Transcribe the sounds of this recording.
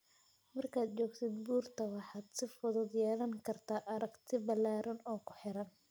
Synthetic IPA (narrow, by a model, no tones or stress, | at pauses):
mɐrkʰaːd̪̚t͡ʃɔːɡt̪ʰɪd̪buːrt̪ʰɐwɑħɑːd̪sɪfʊðʊd̪jɛːlɐŋkʰɐrt̪ʰaːʔɐɾɐɡt̪ʰɪbɐlːaːɾɐnɔːkʰʊ̥ħɪɾɐn